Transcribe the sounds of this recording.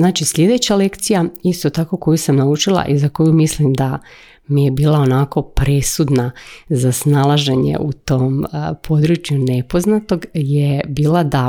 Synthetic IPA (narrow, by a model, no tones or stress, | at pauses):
naːt͡ʃisʎʲe̞d̪e̞t͡ɕale̞kt̪sijaist̪o̞t̪ako̞ko̞jusamnaut͡ʃilˠa̰ʔizako̞jumislimd̪a | mije̞biːlˠao̞nako̞pɾe̞sud̪nazasnalˠaʒe̞ɲḛʔut̪o̞ːmpʰo̞d̪ɾut͡ʃjune̞po̞znat̪o̞ɡjebiːlˠad̪a